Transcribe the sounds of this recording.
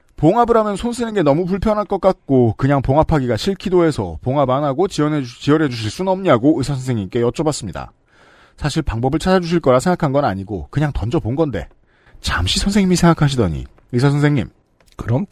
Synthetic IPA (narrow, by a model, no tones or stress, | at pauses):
poŋabɯɾɦamjʌnsʰonsʰɯenɯnɡe̞nʌmup̬uɭpʰjʌnɦak͈ʌk͈at̚k͈okɯɲaŋpoŋapʰaɡiɡaɕʰiɭkʰidoe̞sʰʌ̰poŋabanɦaɡot͡ɕiʌnɦet͡ɕijʌɾɦe̞d͡ʑuɕ̬ʰiɭs͈unʌmɲaɡoɯsʰasʰʌnsʰeŋɲimk͈e̞jʌt͡ɕ͈ʌbas͈ɯmɲida̰ | sʰaɕʰiɭpaŋbʌbɯɭt͡ɕʰad͡ʑad͡ʑuɕ̬ʰiɭk͈ʌɾasʰe̞ŋɡakʰanɡʌnaɲiɡokɯɲaŋtʌnd͡ʑʌponɡʌnde̞̰ | t͡ɕamɕʰisʰʌnsʰe̞ŋɲimisʰeŋɡakʰaɕ̬ʰidʌ̰ɲḭ | ɯsʰas̬ʰʌnsʰeŋɲim | kɯɾʌm